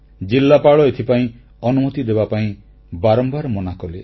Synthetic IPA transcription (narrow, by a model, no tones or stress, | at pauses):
d͡ʒilːapaɭɔet̪ʰipaĩ | ɔnumɔt̪id̪ebapaĩ | baɾɔmbaɾmɔnakɔle